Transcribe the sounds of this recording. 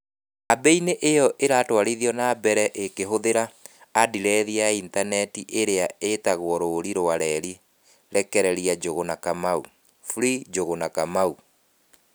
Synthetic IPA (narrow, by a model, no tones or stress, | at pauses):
abɛineʔejɔʔeɾaːtwaɾiðiɔnaːbɛɾɛʔekeɦoðeɾaːdiɾɛðiaintanɛtiʔeɾeaetaɣwɔɾoɾiɾoaɾɛɾi | ɾɛkɛɾɛɾiad͡ʒoɣonakamaṵ | fuɾid͡ʒoɣonakamau